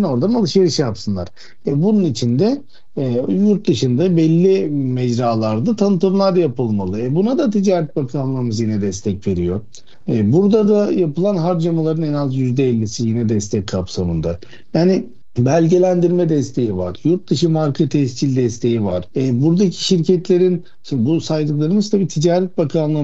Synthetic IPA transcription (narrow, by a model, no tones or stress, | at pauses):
no̞ɾd̪analˠɯʃeɾiʃjapsɯnlˠaɾ̥ | ɛbununit͡ʃʰind̪ɛ | juɾt̪̚d̪ɯʃɯnd̪abɛlʲːimɛd͡ʒɾaːlˠaɾd̪at̪ʰanɯt̪ʰɯmlˠaɾjapɯlˠmalˠɯɛbunad̪at̪ʰid͡ʒaːɾɛt̪̚bakʰanlˠaɾɯmɯzjinɛd̪ɛst̪ʰɛcve̞ɾijo | ɛbuɾd̪ad̪ajapɯlˠanɦaɾd͡ʒamalˠaɾɯnɛnazjyzd̪ɛɛlʲːisijinɛd̪ɛst̪ʰɛckʰːapsamɯnd̪a | jaːnɪ | bælʲɟe̞lʲænd̪iɾmɛd̪ɛst̪ʰe̞jiva̰ɾjuɾt̪̚d̪ɯʃɯmaɾkʰɯt̪ʰɛst͡ʃilʲd̪ɛst̪ʰe̞jiva̰ɾ̥ɛbuɾd̪acʰi̥ʃiɾcʰɛt̪lʲe̞ɾin | ʃibusajd̪ɯklˠaɾɯmɯzt̪ʰabiːt̪ʰid͡ʒaːɾɛt̪̚bakʰanlˠɯ